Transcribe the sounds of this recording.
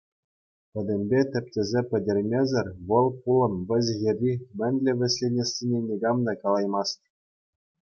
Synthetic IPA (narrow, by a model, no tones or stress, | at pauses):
pʲɘ̆d̪ʲɘ̆mʲbʲet̪ʲɘ̆p̚ʲtʲĕzʲepʲɘ̆dʲɘ̆rʲmʲezʲɘ̆rʲʋɤ̆lˠpulˠɤ̆nʋʲɘ̆zʲɣʲerʲːimʲɘ̆nʲlʲɘ̆ʋʲɘ̆sʲlʲenʲĕsːʲinʲenʲeɡɑmd̪ɑkɑlˠɑjmɑst̪ʲ